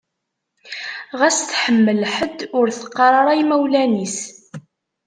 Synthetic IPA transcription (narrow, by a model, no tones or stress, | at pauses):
ʁæsθħəmːəlħəd̪ʊɾθə̥qːɑɾˤɑɾˤɑjmæwlænis